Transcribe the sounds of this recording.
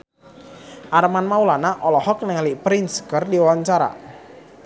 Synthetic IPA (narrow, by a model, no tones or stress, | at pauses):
ʔaɾmanmaulanaʔɔlɔhɔk̚nəŋalipɾinsɡərdiwaɲt͡ʃaɾa̰